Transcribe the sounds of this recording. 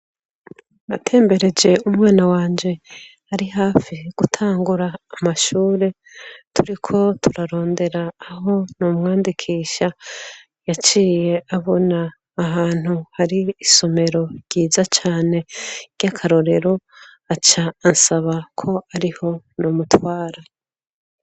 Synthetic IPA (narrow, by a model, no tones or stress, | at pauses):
natʰe̞ːmbe̞ɾe̞d͡ʒe̞umŋaːnawaːɲd͡ʒe̞ | haɾiɦaːfiɡ̥utʰaːŋɡuɾaːmaʃuːɾe̞ | tuɾikʰo̞tʰuɾaɾo̞ːnde̞ɾaːɦo̞numŋaːndikʰiːʃa | jat͡ʃiːje̞aβo̞naː | ɦaːn̥huhaɾiːso̞me̞ɾo̞ɾɟiːzat͡ʃaːne̞ɾ̥ɟakʰaɾo̞ɾe̞ɾo̞ | at͡ʃaːnsaβakʰo̞aɾiho̞numutwaːɾa